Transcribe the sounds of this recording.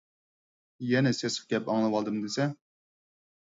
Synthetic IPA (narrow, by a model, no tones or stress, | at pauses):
jɛnɛsɛsɨ̥fɡʲɛpɑŋlˠɨwɑlˠd̪ɨmd̪ɪsɛ